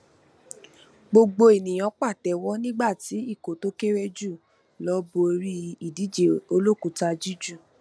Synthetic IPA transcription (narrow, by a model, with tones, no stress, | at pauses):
ɡ͡bo˧ɡ͡bo˧i˨nĩ˨j̃ɔ̃˧k͡pa˦˨tɛ˨wɔ˦nĩ˦ɡ͡ba˦˨ti˨˦i˦˨ko˨to˦ke˦ɾe˦d͡ʒu˦˨ | lɔ˦bo˧ɾi˦i˨di˨˦d͡ʒe˨o˧lo˦˨ku˨˦ta˧d͡ʒi˦d͡ʒu˦˨